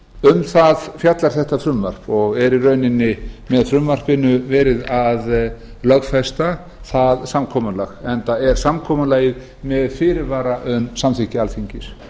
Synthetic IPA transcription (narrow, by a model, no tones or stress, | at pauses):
ʏmθaðfjat̪laɾ̥θɛht̪afɾʏmvar̥pɔɣɛɾirœːɥnɪnːɪmɛðfɾʏmvar̥pɪnʏvɛːɾɪðað | lœɣfɛst̪a | θaðsamkʰɔːmalaɣɛnt̪aɛɾ̥samkʰɔːmalaːjɪð | mɛðfɪːɾɪɾvaːɾaʔʏmsamθɪcɪalθiɲcɪs